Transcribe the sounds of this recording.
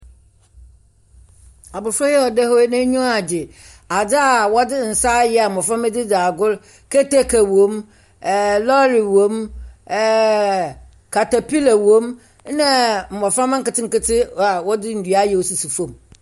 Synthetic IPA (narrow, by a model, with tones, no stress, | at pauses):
a˨bʊ˨fɾɔ˦jɛ˦ɔ˨dɛ˦hɔ˦nã˦ɲũ˦a˨d͡ʑɪ˨ | a˨dɪ˦a˨wɔ˦dɪ˦n̩˨sa˦jɪ˦a˨m̩˨ɔ˨fɾã˦mɛ˦dɪ˦daː˨ɡʊ˦l | kʰe˦te˦kʰa˨wõ˦m˨ | lɔ˦ɾi˨wõ˨˦mː˨ | kʰa˨ta˨pi˦la˨wõ˦m | nã˦m̩˨mɔ˨fɾã˦mã˦ŋ̩˦kɪ˨tɪ˦ŋ̩˨kɪ˦tʰɪ˦a˨wɔ˦dɪ˦n̩˨dɥa˦jɛ˨o˨su˨su˨fõ˨m